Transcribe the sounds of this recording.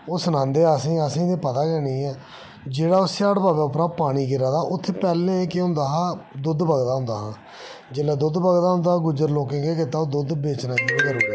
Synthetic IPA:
oːsənãːnd̪eːəsĩːəsĩːd̪eːpət̪aːkɛːniːɛː | d͡ʒeːɽaːʊst͡ʃaːɽbaːbɛːʊpɾaːpaːɽ̃iːɡɪɾaːd̪aːʔʊt̪ʰːepɛːlẽkɪɦʊ̃nd̪aːɦaːd̪ʊd̪bəɡd̪aːɦʊ̃nd̪a̰ːɦãː | d͡ʒeːlɛːd̪ʊd̪bəɡd̪aːɦʊ̃nd̪aːɡʊd͡ʒəɾloːkẽːkeːk̬ɪt̪aːoːd̪ʊd̪beːt͡ʃnãːd͡ʒiːiːkəɾoːɡeː

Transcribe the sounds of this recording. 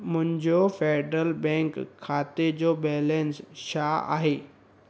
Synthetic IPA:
mʊ̃ɦɪ̃ɲd͡ʑofeːɖɾəlbɛ̃ŋkʰːaːt̪ed͡ʑoːbɛːlẽnsʃaːa̰ːɦeː

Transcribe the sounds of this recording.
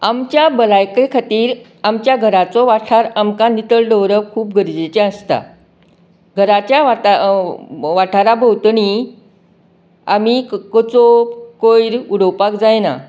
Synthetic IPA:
amt͡ɕjabəlajkɾekʰat̪iːɾ | amt͡ɕjaɡʱəɾat͡sɔʋaʈʰaɾamkanit̪əɭɖəwɾəʋkʰuːp̚ɡʱəɾd͡ʑet͡ɕeəst̪a̰ | ɡʱəɾat͡ɕjaa | ʋaʈʰaɾabəwt̪ɳi | amikət͡sokojɾuɽəwpakd͡zajna̰

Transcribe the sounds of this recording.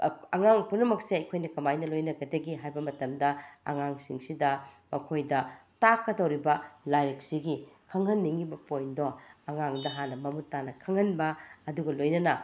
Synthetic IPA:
ɐŋaŋpunɐmɐk̚seɐjkʰojnɐkɐmajnɐlojnɐɡɐdɐɡiɦajbɐmɐtɐmdɐɐ̰ŋaŋsḭŋsidɐ | mɐkʰojdɐtakːɐdowɾibɐlajɾek̚siɡikʰɐŋɐnːiŋibɐpojndoɐŋaŋdɐɦanɐmɐmutːanɐkʰɐŋɐnbɐːduɡɐlojnɐnɐ

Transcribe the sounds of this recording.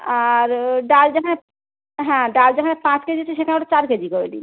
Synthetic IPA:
aɾɖald͡ʑekʰane | ɦɛ̃ɖald͡ʑekʰanepãt͡ɕked͡ʑiat͡ɕʰeʃekʰaneaʈat͡ɕaɾked͡ʑikoɾelḭ

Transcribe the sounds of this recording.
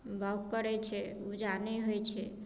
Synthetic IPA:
bʱaɡpəɽet͡ʃʰe | ud͡ʒaniɦojt͡ʃʰe

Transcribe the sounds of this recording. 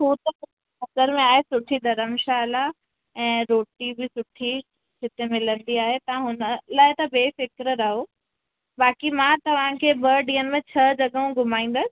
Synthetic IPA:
ɦoːt̪ɐʊ | ɐsəɾmẽaːɦesʊʈʰid̪ɐɾəmʃaɐla | ɛ̃ːɾoːʈibɪsʊʈʰi | ʃɪt̪emɪlə̃nd̪iaːɦet̪ɐãɦʊnəlaːɪt̪ɐbeːfɪkɾɾɐɦoː | baːkimãt̪ɐʋ̤ãkʰeːbɐɖĩːənɪ̆mẽt͡ɕʰɐd͡ʑɐɡəɦũɡʱʊmaːĩːn̆d̪əsɪ̥̆

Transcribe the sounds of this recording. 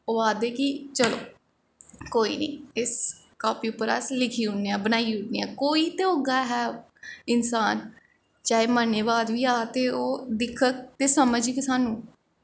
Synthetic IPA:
oːaːd̪eːkit͡ʃəlo̰ː | koːḭːnə̰̃ːɪs | kaːpjuːpəɾa̰ːslɪkʰiːʊɳeːaːbənaːiʊɳniːaːkoːiːt̪eoːɡaːɦɛː | ɪnsaːn | t͡ʃaːeːməneːbaːd̪ʋiːaːt̪eːoːd̪ɪkʰːək̚t̪eːsəməd͡ʒiːkɪsaːnũː

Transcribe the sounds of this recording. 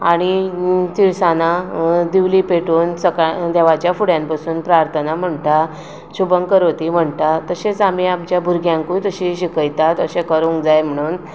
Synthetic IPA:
aɽ̃it̪iwsanad̪iʋliːpeʈuːnsəkad̪ɛʋat͡ɕjafuɽjampasuːnpɾaɾt̪ʰənam̤əɳt̪a | ɕubəŋkəɾot̪iːm̤əɳt̪at̪əɕet͡sam̤iamt͡ɕjabʱuɾɡjãŋkujt̪əɕiɕikəjt̪at̪əɕẽkəɾuŋɡd͡zajm̤əɽ̃uːn

